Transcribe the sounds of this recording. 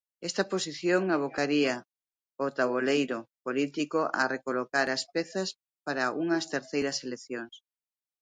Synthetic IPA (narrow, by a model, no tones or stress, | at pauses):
ɛst̪ɐposiθjoŋaβ̞okaɾiɐ | ot̪aβolejɾopolit̪ikoʔa̰rekolokaɾɐspɛθɐs | paɾaʔuŋɐst̪eɾθejɾɐselekθjoŋs